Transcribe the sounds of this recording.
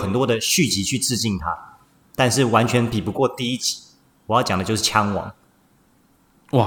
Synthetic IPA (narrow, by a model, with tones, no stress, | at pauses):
xə˨˩nt̪wɔ˥d̪ə˨ɕy˥˩t͡ɕi˧˥t͡ɕʰy˥˧t͡sɹ̩˥˧t͡ɕi˥˩nt̪ʰa˦ | t̪a˥˧nʂɻ̩˥˩wa˧˥nt͡ɕʰɥɛ˧˥npi˨˩pu˧˦kwɔ˥˧t̪i˥˧i˥˩t͡ɕi̥˨˥˦ | wɔ˩jɑ˥˩ʊt͡ɕjɑ˨˩ŋd̪ə˩jo˥˧ʊʂɻ̩˥˩t͡ɕʰjɑ˥ŋwɑ̰˨˩˦ŋ | wa˥˨